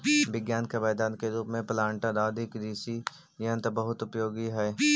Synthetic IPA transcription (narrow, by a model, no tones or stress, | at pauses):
ʋɪɡjaːnkabɛːd̪aːnkeɾuːpmẽplãːɳʈad̪aːd̪ʱɪkd̪iːsi | jənt̪abəɦʊt̪ʊpjoːɡiɦɛː